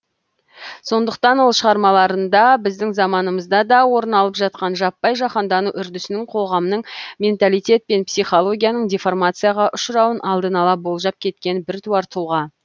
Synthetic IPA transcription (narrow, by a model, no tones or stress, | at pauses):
so̞nd̪əq̚t̪ɑnwo̞lˠʃəʁɑɾmɑlˠɑɾənd̪ɑbɪzd̪ɪŋzɑmɑnəməzd̪ɑd̪ɑwo̞ɾənɑlˠəpʒɑt̪̚qɑnʒɑpːɑjʒɑχɑnd̪ɑnuʔʏɾd̪ʏsɪnɪɴqʰo̞ʁɑmnəɴmʲe̞nt̪alˠijt̪ʲe̞t̪̚pe̞npsijχo̞lˠo̞ɡʲijanəɴdʲeformat̪sɨjaʁɑʔʊʃəɾɑwənʔɑlˠd̪ənɑlˠɑbo̞lˠʒɑp̚kʲʰe̞t̪̚kʲe̞nbɪɾt̪ʰuɑɾt̪ʰuʁɑ